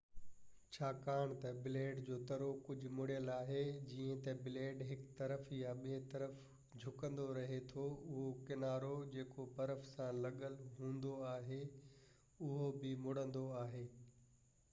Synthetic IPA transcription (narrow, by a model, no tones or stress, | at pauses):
t͡ɕʰaːkaːɽ̃t̪ɐbɪleːɖd͡ʑoːt̪ɐɾokʊd͡ʑʱʊ̆mʊɽjəlaːɦed͡ʑiːə̃t̪ɐbɪleːɖɦɪkt̪ɐɾəfjaɓet̪ɐɾəf | d͡ʑʱʊkə̃nd̪oɾɐɦet̪ʰoʊɦokɪnaːɾod͡ʑeːkopɐɾəfsãlɐɠəlɦũːnd̪oaːɦe | ʊɦobɪmʊɽə̃nd̪oaːɦeː